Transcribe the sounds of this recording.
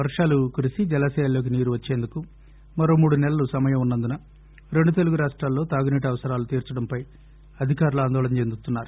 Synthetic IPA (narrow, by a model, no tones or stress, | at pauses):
ʋɐɾʂaːlukuɾisid͡ʒɛlɐsɛːjɐlo̞ːk̬iniːɾuʋɐt͡ʃːe̞ːnd̪uku | mɐɾo̞ːmuːɽunɛlɐlusɐmɐjɐmunːɐnd̪unɐ | ɾe̞ɳɖut̪e̞luɡuɾaːʂʈɾaːlːo̞ːt̪aːɡuniːʈɐʋɐsɐɾaːlut̪iːɾt͡ʃɐɽɐmpɐj | ɐd̪ʱikaːɾuluaːnd̪ɔːlɐnt͡ʃe̞nd̪ut̪unːaːɾu